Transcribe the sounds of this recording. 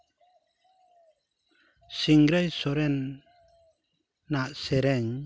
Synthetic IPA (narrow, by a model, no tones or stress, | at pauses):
siŋɡɾajsɔɾɛn | aʔsɛɾɛɲ